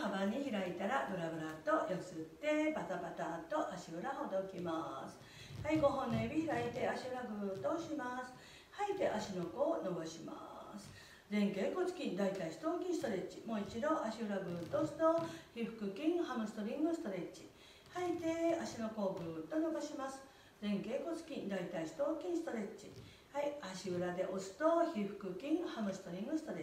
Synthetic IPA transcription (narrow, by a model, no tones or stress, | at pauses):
habaɲ̟içiɾait̪aɾabɯ̟ɾabɯ̟ɾat̪o̞josɨt̪ːe̞bat̪abat̪at̪o̞ʔaɕiɯ̟ɾaɦod̪oikʲimasɨ̥ | haiɡo̞ɦõ̞nnebʲiçiɾait̪e̞aɕiɯɾaɡɯ̟ːt̪oɕimasɨ̥ | hait̪e̞ʔaɕinokoːno̞ɡoɕima̰sɨ̥ | d͡zẽ̞ŋkeko̞t͡si̥kʲĩnd̪ait̪aisɨ̥t̪o̞ːkʲĩst̪o̞ɾe̞t͡ɕimo̞ːit͡ɕid̪oʔaɕiɯɾaɡɯ̟ːt̪osɨ̥t̪oçiɸɯ̟̥kɯ̟kʲĩŋhamɯ̟sɨ̥t̪o̞ɾʲĩŋɡɯsɨ̥t̪o̞ɾe̞t͡ɕi | hait̪e̞aɕino̞ko̞ːɡɯ̟ːt̪o̞no̞ɡaɕimasɨ̥ | d͡zẽ̞ŋke̞ːko̞t͡sɨ̥kʲĩnd̪ait̪aist̪oːkʲĩɰ̃sɨ̥t̪o̞ɾe̞t͡ɕi | haiaɕiɯ̟ɾad̪e̞ʔosɨ̥t̪oçiɸɯ̟̥kɯ̟kʲĩŋhamɯ̟sɨ̥t̪o̞ɾʲĩŋɡɯ̟sɨ̥t̪o̞ɾe